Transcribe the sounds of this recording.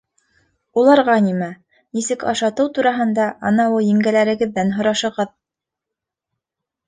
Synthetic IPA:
ulˠɑɾʁɑnimæ | nisɘkɑ̰ʃɑt̪ɤwt̪uɾɑɦɤ̆nd̪ɑʔɑnɑwujĭŋɡælæɾɘ̆ɡɘ̆ðːænɦŏɾɑʃɤ̆ʁɤð

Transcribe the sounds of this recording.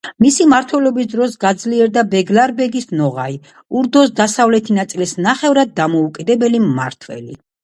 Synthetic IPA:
misimaɾt̪ʰwɛlɔbisd̪ɾɔsɡad̪zliɛɾd̪abɛɡlaɾbɛɡisnɔʁai | uɾd̪ɔs̬d̪asavlɛt̪ʰinat̪sʼilisnaχɛvɾad̪̚ːamɔukʼid̪ɛbɛlimːa̰ɾt̪ʰwɛ̰lḭ

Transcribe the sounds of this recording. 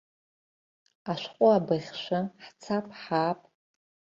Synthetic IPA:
aʃʷqʷʼʊabɨʁʲʃʷaħt͡sʰapʼħaːpʼ

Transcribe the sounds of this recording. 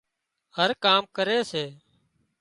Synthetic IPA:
həɾkaːmkəɾeːseː

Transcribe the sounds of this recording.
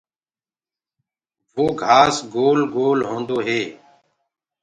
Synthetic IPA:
ʋoːɡʱaːsɡoːlɡoːlɦõːnd̪oːɦeː

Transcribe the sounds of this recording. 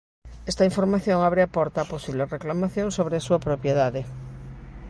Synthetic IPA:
est̪aiɱfoɾmaθjoŋaβɾeapoɾt̪aːposiβlereklamaθjõŋsoβ̞ɾeasuapɾopjeðaðe

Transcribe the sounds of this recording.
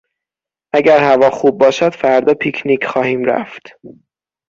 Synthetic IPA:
ʔæɟæɾhævɒːxuːb̚ːɒːʃæd̪̥fæɾd̪ɒːpʰikʰnikʰxɒːhiːmɾæ̰ft̪

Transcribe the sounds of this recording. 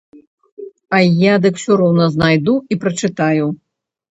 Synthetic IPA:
ɐjad̪ɨksʲuɾɔwnɐznajd̪uipɾɐt͡ʂɨt̪aju

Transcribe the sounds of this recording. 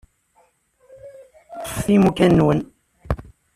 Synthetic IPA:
t̪ˤːə̥fθimukænːwən

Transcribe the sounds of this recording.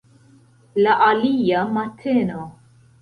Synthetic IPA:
lɐʔɐliːjɐmɐt̪ʰːɛno

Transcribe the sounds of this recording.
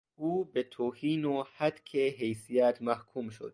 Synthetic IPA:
ʔuːbet̪ʰoːhiːnohæd̪kʰeɦejsijæt̪ʰmæhkʰumʃo̰d̪̚

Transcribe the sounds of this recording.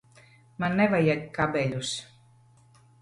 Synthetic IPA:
manːɛβajakabeʎus

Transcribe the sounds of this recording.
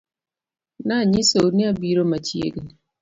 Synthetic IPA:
naɲisouniabiɾomat͡ʃijḛɡini

